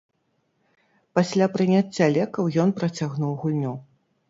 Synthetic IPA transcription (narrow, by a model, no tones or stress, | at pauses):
pasʲlʲapɾɨnʲat͡sʲːalʲɛkɐwjɔnpɾɐt͡sʲaɣnuwɣulʲnʲu